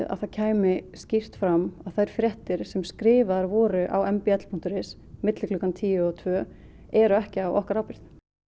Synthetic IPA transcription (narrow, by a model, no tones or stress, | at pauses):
ða̰ðθaðcʰaːjmɪscir̥t̪fɾamaðθajɾ̥fɾjɛht̪ɪɾ̥sɛmskɾɪːvaɾvɔːɾʏʔa̰wɛmpiɛt̪l̥pʰun̥t̪ʏɾɪs | mɪt̪lɪklʏkant̪ʰiːjʏɔt̪ʰvœ | ɛɾʏɛhcɪawʔɔ̰hkaɾawpɪɾ̥θ